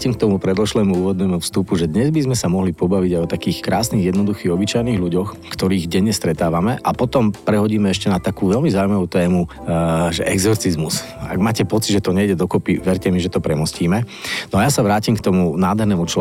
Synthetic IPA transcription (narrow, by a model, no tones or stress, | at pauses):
cimk̚t̪ɔmupɾɛd̪ɔʃlɛːmuuːʋɔd̪nɛːmufst̪upuʒɛd̪ɲɛzbizmɛsamɔɦlipɔbaʋiɟajɔt̪akiːxkɾaːsniɣjɛd̪nɔd̪uxiːɣɔbit͡ʃajniːɣʎuɟɔx | kt̪ɔɾiːɣɟɛɲːɛst̪ɾɛt̪aːʋamɛʔapɔt̪ɔmpɾɛɦɔɟiːmɛɛʃcɛnat̪akuːʋɛlmizaːujmaʋuːt̪ɛːmuʒɛʔɛɡzɔɾt͡sizmus | a̰ɡmaːcɛpɔt͡sid̪ʒɛt̪ɔɲɛjɟɛd̪ɔkɔpiʋɛɾcɛmiʒɛt̪ɔpɾɛmɔsciːmɛ | nɔajasaʋɾaːcimkt̪ɔmunaːd̪ɦɛɾnɛːmut͡ʃ